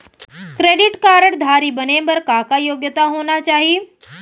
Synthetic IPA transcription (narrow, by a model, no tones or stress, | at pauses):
kɾeːɖɪʈkaːɾəɽd̪ʱaːɾibənebɐɾkaːkajoːɡjət̪aɦoːnat͡ʃaːɦie